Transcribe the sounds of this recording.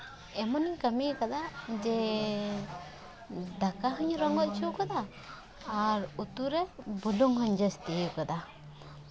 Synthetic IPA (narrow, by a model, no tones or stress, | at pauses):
ɛmɔniɲkamikad̪ad͡ʒɛ | d̪akaɦɔɲɾɔŋɡɔt̪̚t͡ʃʰukɔd̪aː | ɾut̪uɾɛbuluŋɦɔɲd͡ʒɔst̪ikɔd̪a